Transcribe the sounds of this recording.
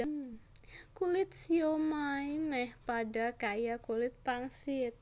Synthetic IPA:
kulɪt̪̚siomajmɛhpadakajakulɪt̪̚paŋsɪt̪̚

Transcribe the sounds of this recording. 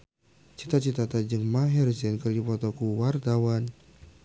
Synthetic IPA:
t͡ʃit̪at͡ʃit̪at̪ad͡ʒəŋmaɦɛrsɛnkərdipɔt̪ɔkuwart̪awan

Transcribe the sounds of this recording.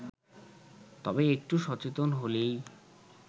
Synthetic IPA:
t̪ɔbeek̚ʈuʃɔt͡ɕet̪onɦolej

